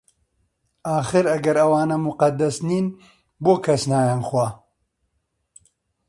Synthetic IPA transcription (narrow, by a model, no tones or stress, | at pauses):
aːxɨɾɐɡɐɾɐwaːnɐmuqɐd̪ɐsniːn | boːkʰɐsnaːjanxwa